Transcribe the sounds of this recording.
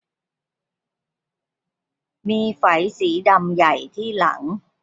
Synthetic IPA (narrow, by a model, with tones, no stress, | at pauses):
miː˧fa˩˦jsiː˩˦da˧mja˨˩jt̪ʰiː˥˩la̰˩˦ŋ